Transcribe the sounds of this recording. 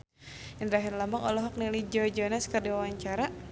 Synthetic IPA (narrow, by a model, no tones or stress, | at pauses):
jandɾaɦɪrlamaŋɔlɔɦɔk̚nilid͡ʒɔd͡ʒɔnɛskərdiwawaɲt͡ʃaɾa